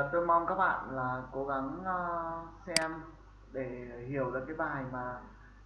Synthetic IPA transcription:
t̪o˧jma˧wŋ͡mkaː˦˥k̚ɓa̰ː˧˨nlaː˨˩ko˨˦ɣa˨˦ŋː˧ | sɛ˧m | ɗe˧˩hi˧˩˨əwɗɨ̰˨˩kaː˨˦jɓaː˨˩ha˨˩jmaː˨˩

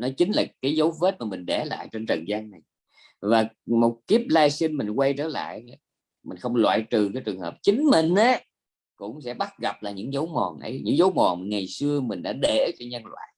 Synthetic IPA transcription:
nɔ˨˦t͡ɕï˨˦ŋ̟laː˨˩kaː˨˦jzə˨˦wve˦˥t̚maː˨˩mï˨˩ŋ̟ɗɛ˧˩la̰ː˧˨jt͡ɕe˧nt͡ɕə˨˩nzaː˧ŋna˨˩j | vaː˨˩mo˨˩t̚t̪i˦˥əp̚laː˧jsi˧nmi˨˩ŋ̟kwa˧jt͡ɕə̰ː˧˩la̰ː˧˨ja˨˦ | mï˨˩ŋ̟xə˧wŋ͡mlwa̰ː˧˨jt͡ɕɨ˨˩kaː˨˦jt͡ɕɨ˨˩əŋhəː˨˩p̚t͡ɕï˨˦ŋ̟mï˨˩ŋ̟ʔa˨˦ | kʊ̰˧˥ŋ͡msɛ̰˧˥ɓa˦˥t̚ɣa˨˩p̚laː˨˩ɲɨ̰˧˥ŋzə˨˦wmɔ˨˩nʔə̰˨˦jɲɨ̰˧˥ŋzə˨˦wmɔ˨˩nŋa˨˩jsɨ˧əmï˨˩ŋ̟ɗa̰ː˧˥ɗe˧˩˦t͡ɕɔ˧ɲə˧nlwa̰ː˧˨j

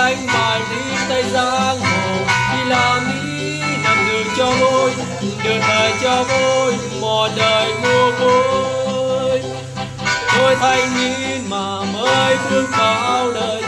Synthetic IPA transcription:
a˧jŋ̟ɓaː˨˩jzi˧˦t̪a˧jzaː˧nzo˨˩jɗi˧laː˧˨˩ŋi˧˥ | ma˨˩ŋɨ˨˩ŋt͡ɕɔ˧t̪o˧j | ɗe˨˩tt̪əː˨˩jt͡ɕɔ˧vo˧j | mɔ˨˩ɗəː˨˩jmu˧˩əvo˧˦ | j | t̪o˧jt̪ʰa˧jŋŋi˧˥ | maː˨˩məː˧˦jfɨ˧əŋfaː˨˩ʔaː˧wləː˨˩j

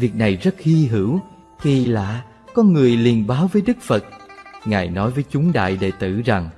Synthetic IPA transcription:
vi˨˩ək̚na˨˩jzə˦˥t̚hi˧ɦɨ˧˩w | xi˧la̰ː˧˨ | kɔ˨˦nŋɨ˨˩əjli˨˩ənɓaː˨˦wvəː˨˦jɗɨ˦˥k̚fə˨˩t̚ŋaː˨˩jnɔ˨˦jvəː˨˦jt͡ɕʊ˨˦ŋ͡mɗa̰ː˧˨jɗḛ˧˨t̪ɨ̰˧˩˨za˨˩ŋ

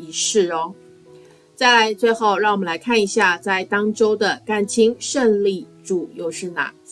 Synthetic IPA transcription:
i˧˥ʂɻ̩˥˩ɔ˥˧˩ | t͡sa˥˩ɪla˧˥ɪt͡swe˥˧ɪxo˥˧ʊɻɑ˥˩ŋwɔ˨mə˨˩la˧˥ɪkʰa˥˩ni˧˥ɕja˥˧t͡sa˥˩ɪt̪ɑ˥ŋʈ͡ʂo˥ʊd̪ə˨ka˥nt͡ɕʰi˥ŋʂə˥˧ŋli˥˩ʈ͡ʂu˨˩jo˥˧ʊʂɻ̩˥˩na̰˨˩

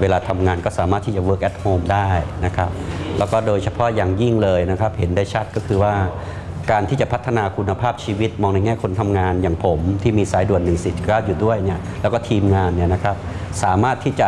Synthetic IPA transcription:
weː˧laː˧t̪ʰa˧mŋaː˧nkɔː˥˩saː˩˦maː˥˩t̪ʰːiː˥˩t͡ɕa˨˩wɤː˦˥˩k̚ʔɛ˦˥t̪̚hoː˧mdaː˥˩jna˦˥kʰa˦˥p̚lɛː˦˥wkɔː˥˩doː˧jt͡ɕʰa˧pʰɔ˦˥jaː˨˩ŋji˥˩ŋlɤː˧jna˦˥kʰa˦˥p̚he˩˦ndaː˥˩jt͡ɕʰa˦˥t̪̚kɔː˥˩kʰɯː˧waː˥˩ | kaː˧nt̪ʰiː˥˩t͡ɕa˨˩pʰt̪ʰːa˧naː˧kʰu˧nːa˧pʰaː˥˩p̚t͡ɕʰiː˧wi˦˥t̪̚mɔː˧ŋna˧jŋɛː˥˩kʰo˧nt̪ʰa˧mŋaː˧njaː˨˩ŋpʰo˩˦mt̪ʰiː˥˩miː˧saː˩˦jdu˨˩ənːɯ˨˩ŋsi˨˩t̪̚ʰkaː˥˩wjuː˨˩du˥˩əjni˥˩ɐlɛ˦˥wkɔː˥˩t̪ʰiː˧mŋaː˧nːi˥˩ɐna˦˥kʰɾa˦˥p̚ | saː˩˦maː˥˩t̪ʰːiː˥˩t͡ɕa˨˩

